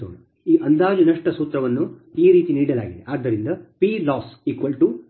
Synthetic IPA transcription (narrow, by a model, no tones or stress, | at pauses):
oːn | iːʔɐnd̪aːd͡ʒunɐʂʈɐsuːt̪ɾɐʋɐnːuiːɾiːt̪iniːɽɐla̰ːɡid̪eʔaːd̪ːɐɾind̪ɐpiːlaːsiːkʋɐlʈu